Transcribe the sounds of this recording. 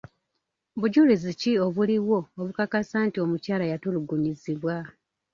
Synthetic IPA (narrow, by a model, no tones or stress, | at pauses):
βuɟulizicio̞βuliwo̞ːβukakasaːntio̞mucaːlajatuluɡuɲiziβwa